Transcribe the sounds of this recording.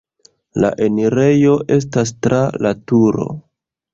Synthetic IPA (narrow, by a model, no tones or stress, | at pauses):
la̰ʔe̞niɾe̞jo̞ʔe̞s̬tas̬tɾalatuɾo̞̰